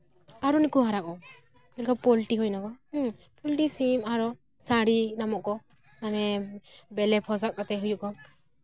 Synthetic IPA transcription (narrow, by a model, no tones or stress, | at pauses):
aɾɔnikuɦaɾakɔ | kɛlkapɔlʈiɦɔjnakɔ | pɔlʈisimaɾɔ | saɾinamɔʔkɔ | manɛbɛlɛpʰɔs̬ak̚kat̪ɛɦujuʔkɔ